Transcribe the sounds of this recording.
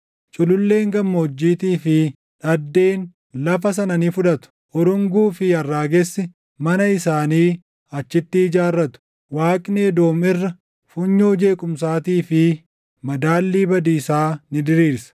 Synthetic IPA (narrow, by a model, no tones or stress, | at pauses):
t͡ʃʼʊlʊlːe̞ːŋɡɐmːɐɔd͡ʒːiːt̪iːfɪ | ᶑɐd̪ːe̞ːn | lɐfɐs̬ɐnɐniːfʊᶑɐt̪ʊ̥ | ʔɔɾʊŋɡuːfɪɐrːaːɡɛsːɪ | mɐnɐɪsaːniː | ɐt͡ʃːɪt̪ːɪd͡ʒaːrːɐt̪ʊ̥ | waːkʼneːd̪o̞ːmɪrːɐ | fʊɲːoːd͡ʒe̞ːkʼʊms̬aːt̪iːfɪ | mɐd̪aːlːiːbɐd̪iːsaːnɪd̪ɪɾiːɾsɐ̥